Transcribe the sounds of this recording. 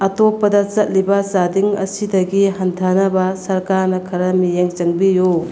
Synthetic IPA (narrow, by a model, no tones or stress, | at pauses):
ɐtopːɐdɐt͡ʃɐt̚libɐsadiŋɐ̰sidɐɡiɦɐntʰanɐbɐsɐɾkaɾnɐkʰɐɾɐmijeŋt͡ʃɐŋbiju